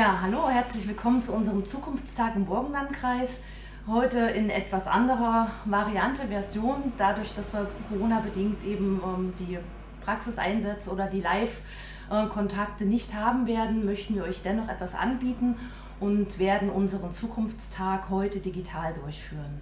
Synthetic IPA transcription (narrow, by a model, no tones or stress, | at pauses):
jaːɦaloːhɛɐt͡slɪçv̥ɪlkʰɔmənt͡suʔʊnzəʁəmt͡suːkʰʊnft͡stʰaːkɪmbɔɐɡŋ̩lantkʁ̥aɪs | hɔʏtəɪnʔɛtv̥asʔa̰ndəʁɐvaʁiantəvɛɐzjoːnd̥adʊɐçd̥asv̥iːɐkʰoʁoːnabədɪŋktʔeːbm̩ʔɛːmdiː | pʁ̥aksɪsʔa̰ɪnzɛt͡snʔoːdɐdiːlaɪf | ʔɛkʰɔntʰaktənɪçthaːbm̩veːɐdn̩mœçtn̩viːɐʔɔʏçd̥ɛnɔχʔɛtv̥asʔa̰nbiːtn̩ | ʔʊntv̥eːɐdn̩ʔʊnzəʁənt͡suːkʰʊnft͡stʰaːkhɔʏtədiɡitʰaːldʊɐçfyːʁən